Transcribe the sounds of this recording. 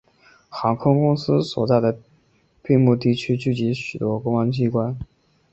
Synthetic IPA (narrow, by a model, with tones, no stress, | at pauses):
xɑ˧˥ŋkʰʊ˥ŋkʊ˥ŋsɹ̩˥swɔ̰˨˩t͡sa˥˩ɪd̪ə˩ | pi˥˧mu˥˧t̪̬i˥˩t͡ɕʰy˥t͡ɕy˥˩t͡ɕi˧˥ɕy˨˩t̪wɔ˥kʊ˥ŋɑ˥ŋt͡ɕi˥˩kwa˥n